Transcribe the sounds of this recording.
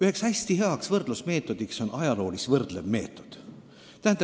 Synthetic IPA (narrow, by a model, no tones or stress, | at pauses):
yhe̞kshæsʲt̪iɦeɑksvɤrd̪̥lusme̞ːt̪ːˑo̞d̪̥ikso̞nɑjɑlo̞ːlisvɤrd̪̥le̞vme̞̰ːt̪ːˑo̞d̪̥ | t̪æhænɑ